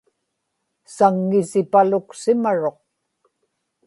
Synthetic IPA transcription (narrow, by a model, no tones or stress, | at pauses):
saŋːɪsɪpalʊksɪmaɻo̞q̚